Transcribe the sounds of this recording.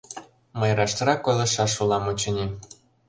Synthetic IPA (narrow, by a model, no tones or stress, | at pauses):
məjɾɑʃt̪ɾɑkːojlˠɤ̆ʃɑʃulˠɑmut͡ɕə̆nʲi